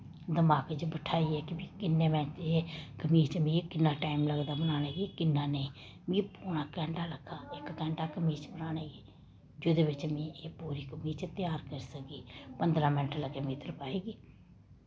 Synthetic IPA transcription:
d̪əmaːkd͡ʒbəʈʰaːiːɛːkɪbĩːkɪnːeːmɛ̃ːt͡ʃeːkəmiːɾt͡ʃmĩːkɪnːãːʈaːimləɡd̪aːbənaːnaːɡiːkɪnːãːneː | mĩːpuːɽaːkɛ̃ːɳɖaːləkʰːaːɪkːɛ̃ːɳɖaːkəmiːɾt͡ʃbənaːnaːɡiː | d͡ʒoːd̪eːʋɪt͡ʃmĩːeːpuːɾiːkəmiːɾt͡ʃt̪ɪjaːɾkəɾisəkɡiːpənd̪ɾãːmɛ̃ːɳʈələkːeːmĩːt̪əɾpaːeːɡiː

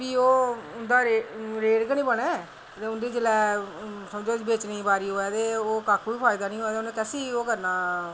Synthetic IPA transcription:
ʋiːoːʊnd̪aːɾeɾeːɽɡənĩːbəɽ̃ɛː | t̪eʊnd̪iːd͡ʒɪlɛːsəmd͡ʒoːd͡ʒbeːt͡ʃniːbaːɾiːɦoːɛːt̪eːoːkakʰʋiːpʰaːɪd̪aːnĩːɦoːɛːt̪eʊnẽːkɛːsiːoːkəɾnaː

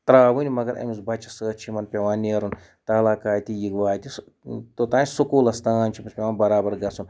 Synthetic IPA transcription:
t̪ɾaːʋunʲimɐɡɐɾɐ̰misbɐt͡ʃʰɐsəːt͡ʃʰimɐnpʲeʋaːneːɾun | t̪aːlaːkaːt̪ʲijiɡʋaːt̪ʲi | t̪ot̪ãːnʲsukuːlɐst̪aːnt͡ʃʰimɐsʲpʲeʋaːnbɐɾaːbɐɾɡɐsun

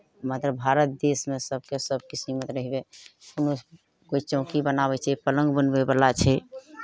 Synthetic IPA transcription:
mat̪ɾəbʱaɾət̪̚d̪esmesəb̚ʱkesəb̚kisimət̪ɾəɦibeuno | kot͡ʃt͡ʃə̃ʊ̃kibənaβɛt͡ʃʰɛpələ̃ŋɡbənbebəlat͡ʃʰɛ

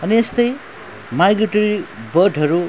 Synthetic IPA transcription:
ʌniest̪ʌj | majɡɾiʈoɾibʌɖʱɦʌɾu

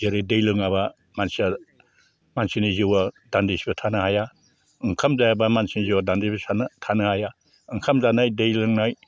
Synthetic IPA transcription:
zeɾɯdejlɯŋaβa | mansia | mansiniziwadandisibɐtʰanɯhaja | ɯŋkʰamzajabamansiniziwadandibesantʰanɯhaja | ɯŋkʰamzanajdejlɯŋnaj

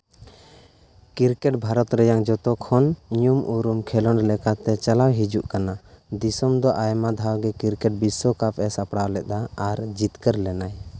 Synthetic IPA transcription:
kiɾkɛʈbʱaɾɔt̪ɾɛjaŋd͡ʒɔt̪ɔkʰɔnɲumʔuɾumkʰɛlɔnɾlɛkat̪ɛt͡ʃalawɦid͡ʒuʔkanad̪isɔmd̪ɔʔajmad̪ʱawɡɛkiɾkɛʈ̚bisɔkapʰɛsapɽawlɛʔ̚d̪aaɾd͡ʒit̪kəɾlɛnaj

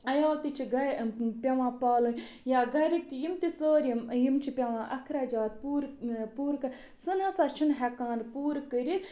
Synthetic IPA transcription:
ɐjaːlt̪it͡ʃʰiɡɐɾpʲɐʋãːpaːlunʲjaːɡɐɾik̚t̪ijimt̪isoːɾjimjimt͡ʃʰipʲɐʋãːʔɐkʰɾaːd͡ʒaːt̪̚puːɾpuːɾkɐɾ | sɨnãːsaːt͡ʃʰunɦɛkaːnpuːɾkəɾit̪

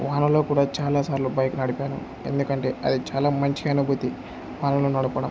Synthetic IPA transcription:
ʋaːnɐlo̞ːkuːɽaːt͡ʃaːlaːsaːɾlubɐjkunɐɽipaːnṵ | e̞̰nd̪ukɐɳʈe̞ːɐ̰d̪it͡ʃaːlaːmɐɲt͡ʃiɐnubʱut̪i | ʋaːnɐloːnɐɽupɐɽɐm

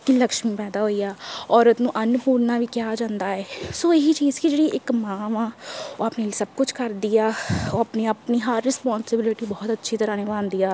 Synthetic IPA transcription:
kiləkʃmipɛːd̪aːɦoːijaːɔːɾət̪nũːʔənpuːɾnaʋikjaːd͡ʒãːnd̪aɛːsoːɪɦit͡ʃiːzkid͡ʒeːɽieʔɪkmãːʋãːoaːpnelisəb̚kʊt͡ʃʰkəɾd̪ijaːoɐpniəpniɦaɾːɪspɔ̃ːnsɪbɪlɪʈibɔːt̪ətːʃʰit̪əɾaːnẽbãːnd̪ijaː

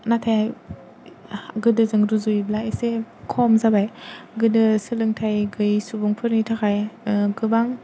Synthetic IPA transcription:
natʰajaj | ɡɯdɯzɯŋɾuzujblaesekʰɔmzabajɡɯdɯsɯlɯŋtʰajɡɯjsubuŋpʰɯɾnitʰakʰajɡɯbaŋ

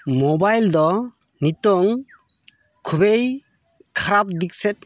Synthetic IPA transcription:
mɔbajld̪ɔ | nit̪ɔŋ | kʰubej | kʰaɾap̚d̪ik̚sɛt̪̚

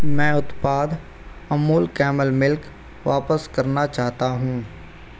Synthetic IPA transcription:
mɛ̃ːʊt̪paːd̪ | ɐmuːlkɛːməlmɪlk | ʋaːpəskɐɾnat͡ʃaːɦt̪aɦũː

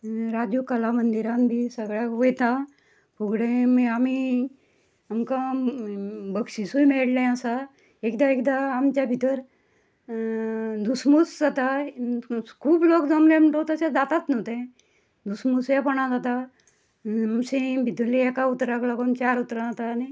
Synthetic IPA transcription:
ɾad͡ʒjukəlamənd̪iɾãnbʱisəɡɭjaʋojt̪a | puɡɽẽmeami | amka | bəkʂisujmeɽlẽasa | ekd̪aekd̪aːmt͡ʃabʱit̪əɾ | d̪usmusd͡zat̪a | kʰuːbloːkd̪omlemʈot̪asad̪aːt̪at̪not̪ẽ | d̪usmusjapəɳãd͡zat̪a | əmsẽbʱit̪əlijakaut̪ɾaklakont͡ʃaːɾut̪ɾãt̪ani

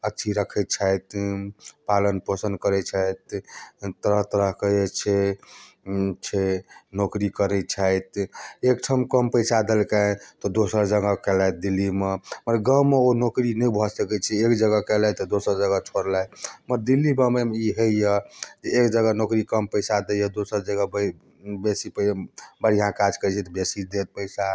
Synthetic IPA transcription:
ətːt͡ʃʰiɾəkʰɛt̪̚t͡ʃʰajt̪ | palənpəsənd̪̚kəɾɛt͡ʃʰajt̪t̪əɾəɦt̪əɾəɦkəjt͡ʃʰɛ | t͡ʃʰɛnokɾikəɾɛt͡ʃʰajt̪ek̚ʈʰəmkəmpəjsad̪elkat̪ɔd̪osəɾd͡ʒəɡəkɛlaj̚d̪ilːimeməɾɡəmeonokɾinəbʱɔsəkɛt͡ʃʰɛekd͡ʒəɡəkɛlɛt̪ɔd̪osəɾd͡ʒəɡət͡ʃʰoɾlajməɾd̪ilːibəmemiɦejəd͡ʒeːkd͡ʒəɡənokɾikəmpəɪsad̪ejəd̪osəɾd͡ʒəɡəbə | besipəbəɾiɦãkad͡ʒkət͡ʃʰɛt̪ɔbesid̪et̪̚pəɪsa

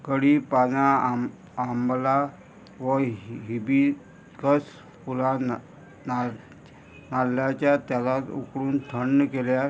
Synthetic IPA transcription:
kəɽiːpad͡zãː | mbla | ʋəɦibi | kəs | pula | na | nalːjat͡ɕjat̪jalat̪ṵkɽuːnt̪ʰəɳːəkelja

